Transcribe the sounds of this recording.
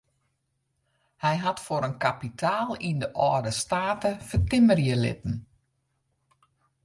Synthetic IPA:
hɛjɦatfoɾənkapitʰaːlˠindəʔɔːdəstaːtəfətɪmərjəlɪ̰tən̩

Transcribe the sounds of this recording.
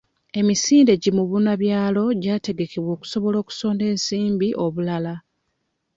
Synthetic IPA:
e̞misiːnde̞ɟimuβunaβjaːlo̞ɟaːte̞ɡe̞keβwo̞ːku̥so̞βo̞lo̞ːku̥so̞ːnde̞ːnsiːmbiʔo̞βulala

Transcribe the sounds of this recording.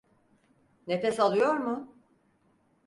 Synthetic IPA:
ne̞fɛsalˠɯjo̞ɾmʊ

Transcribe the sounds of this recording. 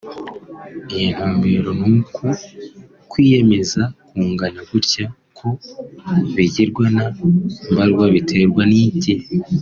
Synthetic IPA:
ijin̥huːmbe̞ɾo̞nuku | kwiːje̞me̞zakuːŋɡaɲaɡ̥uɾca | kʰo̞ | βiɟiɾɡwanambaɾɡwaβitʰe̞ɾɡwanici

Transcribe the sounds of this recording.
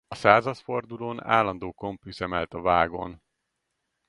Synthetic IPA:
ɒsaːzɒt̪fo̞rd̪uloːna̰ːlːɒnd̪oːko̞mpyzɛmɛlt̪ɒvaːɡo̞̰n

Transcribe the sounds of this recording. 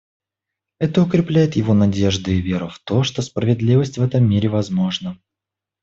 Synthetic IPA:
ɛt̪əʊkɾʲɪplʲæjɪt̪jɪvo̞nɐdʲeʐd̪ɨɪvʲe̞ɾʊft̪o̞ʂt̪o̞spɾəvʲɪd̪lʲivəsʲtʲvɛt̪əmʲːiɾʲɪvɐzmo̞ʐnə

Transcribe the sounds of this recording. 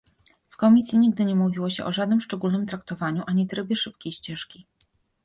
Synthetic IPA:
fkɔmʲisʲjiɲiɡ̚d̪ɘɲɛmuvʲiwɔɕɛʔɔʐad̪nɘmʂt͡ʂɛɡulnɘmt̪ɾakt̪ɔvaɲuʔaɲit̪ɾɛbʲjɛʂɘp̚kʲejɕt͡ɕɛʂkʲi

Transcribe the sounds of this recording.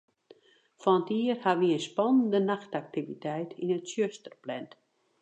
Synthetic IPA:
fɔnətiərhaʋiənspɔnəndənaxtak̚tivitʰɛjtʰinətsjøstərplɛnt

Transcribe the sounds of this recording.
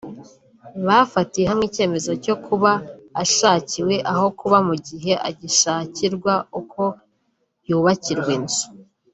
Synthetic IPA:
βafatije̞ɦamŋiːce̞ːme̞zo̞co̞kʰuβaːʃaːciwe̞ʔaɦo̞kuβamuɟiɦe̞ʔa̰ɟiʃaːciɾɡwaukʰo̞ | juːβaciɾɡwenzu̥

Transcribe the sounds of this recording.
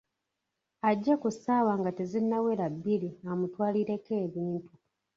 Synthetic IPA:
aɟːekusaːwaːŋɡate̞zinːawe̞ɾabːiliamutwaːliɾe̞ke̞ːβiːntu

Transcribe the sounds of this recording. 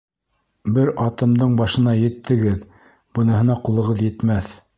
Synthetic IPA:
bɘɾɑt̪ɤ̆md̪ɤɴbɑʃɤ̆nɑjɘ̆t̪ʰːɘ̆ɡɘð | b̥ɤ̆nɑɦɤ̆nɑqulˠɤ̆ʁɤðjɘ̆t̪mæθ

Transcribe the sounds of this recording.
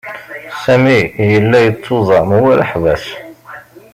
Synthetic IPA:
sæmijəlːæjət͡sˤːoðˤɑmwælə̰ħvæs

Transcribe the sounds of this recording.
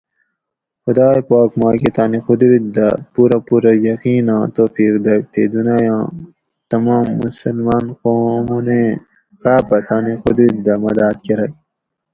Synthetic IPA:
xʊd̪aːpaːkmaːket̪aːnixʊd̪ɾit̪̚d̪ɐpuːɾɐpuːɾɐjɐqiːnãːt̪oːfiːkd̪ɐk̚t̪ʰed̪unajɑ̃ː | t̪ɐmaːmːusɐlmaːnqoːmune | kaːpɐt̪aːnixʊd̪ɾit̪̚d̪ɐmɐd̪aːt̪keɾɐk̚

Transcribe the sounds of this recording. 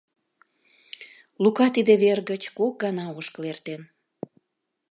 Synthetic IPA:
lukɑt̪id̪eβerɣət͡ɕkok̚ɡɑnɑoʃklert̪en

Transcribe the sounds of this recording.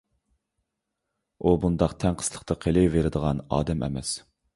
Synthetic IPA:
ubund̪ɑqt̪ʰɛŋqʰə̥slˠəqt̪ʰɑqʰelɪveɾɪd̪əʁɑnɑ̰ːd̪ɛmʔɛ̰mɛ̰s

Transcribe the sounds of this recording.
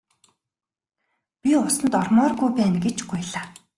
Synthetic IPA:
pʲiʊsə̆nt̪ɔrmɔːrɡujpæːnɡet͡ɕɡujɮaː

